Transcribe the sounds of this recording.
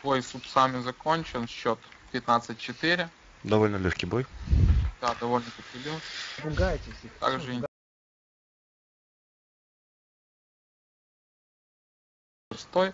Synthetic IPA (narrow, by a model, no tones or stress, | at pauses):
vojsupsamʲɪzɐkonʲt͡ɕɪnɕːot̪pʲɪt̪nat̪sɨt̚ʲt͡ɕːɪt̪ɪɾʲɪ | d̪ɐvolʲnəlʲoxʲkʲijbojd̪̥ad̪ɐvolʲnəlʲoxʲkʲilʲoxkʲibʊɡajtʲɪsʲit̪a̰ɡʐɨ | ʊst̪oj